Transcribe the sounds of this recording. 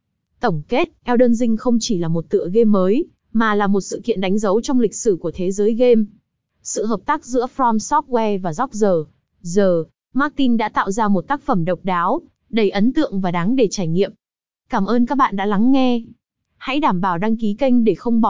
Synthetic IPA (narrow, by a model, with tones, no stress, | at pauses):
t̪ə˧˩wŋ͡mke˦˥t̚ʔɛ˧wɗəː˧nzï˧ŋ̟xə˧wŋ͡mt͡ɕi˧˩laː˨˩mo˨˩t̚t̪ɨ̰˧˨əɣe˧mːəː˨˦j | maː˨˩laː˨˩mo˨˩t̚sɨ̰˧˨kḭ˧ənɗa˨˦jŋ̟zə˨˦wt͡ɕɔ˧wŋ͡mlï˨˩k̟̚sɨ˧˩ku˧˩ət̪ʰe˨˦zəː˨˦jɣe˧m | sɨ̰˧˨ɦəː˨˩p̚t̪aː˦˥k̚zɨ̰˧˥əfɾɔ˧msɔ˦˥t̚wɛ˧vaː˨˩zɔ˦˥k͡p̚zəː˨˩ | zəː˨˩ | ma˦˥k̚t̪i˧nɗa̰ː˧˥t̪a̰ː˧˨wzaː˧mo˨˩t̚t̪aː˦˥k̚fə˧˩mɗə˨˩wk͡p̚ɗaː˨˦w | ɗə˧˩jʔə˨˦nt̪ɨ̰˧˨əŋvaː˨˩ɗa˨˦ŋɗe˧˩t͡ɕaː˧˩jŋḭ˧˨əm | kaː˧˩mʔəː˧nkaː˦˥k̚ɓa̰ː˧˨nɗa̰ː˧˥la˨˦ŋːɛ˧ | ha̰˧˥jɗaː˧˩mɓaː˧˩wɗa˧ŋki˨˦kə˧jŋ̟ɗe˧˩xə˧wŋ͡mɓɔ˧˩